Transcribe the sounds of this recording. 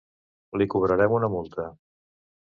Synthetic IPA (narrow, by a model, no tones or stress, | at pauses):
likuβ̞ɾəɾɛmunəmulˠt̪ə